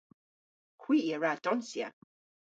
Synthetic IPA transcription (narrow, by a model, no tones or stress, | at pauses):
kʰw̥iːəɹad̥ɔnsjə̰